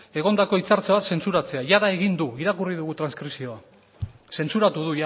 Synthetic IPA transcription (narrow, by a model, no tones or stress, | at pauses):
e̞ɣ̞o̞nd̪ako̞it͡saɾt͡saβat̪se̞nt͡suɾat͡se̞aʝaðae̞ɣind̪uiɾakuriðuɣut̪ɾanskɾisio̞a | se̞nt͡suɾat̪uðuj